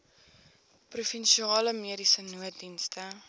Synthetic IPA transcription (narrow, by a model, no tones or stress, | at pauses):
prufɛnʃiɑːləmiəɾisənuədinstə